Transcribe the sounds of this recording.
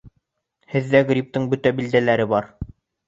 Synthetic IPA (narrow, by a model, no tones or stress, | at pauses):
hɘ̆ðːæɡɾʲip̚t̪ɤɴbɵt̪æbild̪ælæɾɘbɑɾ